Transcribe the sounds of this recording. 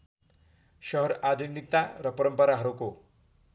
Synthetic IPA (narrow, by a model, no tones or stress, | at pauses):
ʃʌɦɔɾad̪indit̪ːaɾʌpəɾəmpəɾaɦaɾoko